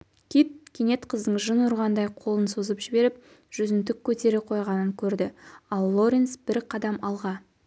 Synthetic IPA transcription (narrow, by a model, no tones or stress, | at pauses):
kʲʰit̪̚kʲʰene̞t̪qʰəzd̪əɴʒənʊɾʁɑnd̪ɑjqʰo̞lˠənsozəpʒɪbe̞ɾɪp̚ | ʒ̥ʏzɪnt̪ɪkʲʰːɵt̪e̞ɾeqʰo̞jʁɑnəŋkʲʰɵɾd̪ɪɑlˠːo̞ɾʲensbɪɾqʰɑd̪ɑmɑlˠʁɑ